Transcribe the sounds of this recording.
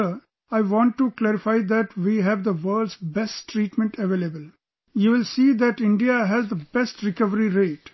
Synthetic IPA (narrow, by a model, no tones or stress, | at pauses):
ə | aɪʋɔ̃ːɳʈːuklæɾɪfaɪd̪æʈʋiːɦæʋd̪əʋəːɖsbɛsʈʈɾiːʈmɛ̃ɳʈʰeʋeːlebəl | juːʋɪlsiːd̪æʈɪ̃ɳɖiaɦæzd̪əbɛsʈɾɪkʌʋəɾiɾeːʈ